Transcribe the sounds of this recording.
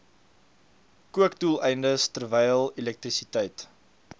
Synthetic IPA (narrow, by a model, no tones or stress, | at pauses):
kuəkdulˠɛjndəstərvɛjlˠilɛk̚tɾisitɛjt